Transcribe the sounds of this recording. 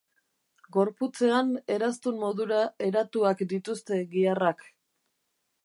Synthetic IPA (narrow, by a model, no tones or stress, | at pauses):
ɡo̞ɾput͡se̞ane̞ɾast̪ummo̞ðuɾae̞ɾat̪uakd̪it̪ust̪e̞ɣiarak